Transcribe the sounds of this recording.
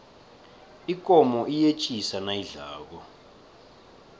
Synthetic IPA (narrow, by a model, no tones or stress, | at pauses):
ikʼɔmɔʔijet͡ʃʼisanaiɮaːk̬ɔ